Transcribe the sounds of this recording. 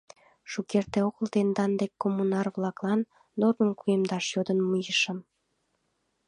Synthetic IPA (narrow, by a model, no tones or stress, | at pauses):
ʃukert̪eoɣəlt̪end̪ɑnd̪ekːomːunɑrβlɑklɑnː | ormənkuemd̪ɑʃjod̪ənmujəʃə̆m